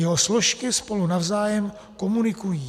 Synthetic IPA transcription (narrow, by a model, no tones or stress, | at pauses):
ɛɦoslo̞ʃkɪspo̞lunavzaːjɛm | ko̞munɪkujiː